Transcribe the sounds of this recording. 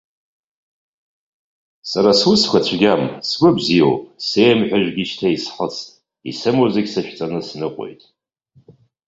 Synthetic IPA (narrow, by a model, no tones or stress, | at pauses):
saɾaswuskʷat͡ɕʷʰɡʲamsɡʷɨbzijo̰wsejmħᶣʷaʒᶣɡʲɪʃtʰaisħət͡sʰtʼ | ḭsɨmozɪɡʲsaʃᶣt͡sʼanɨsnɨqʷʼo̰jtʼ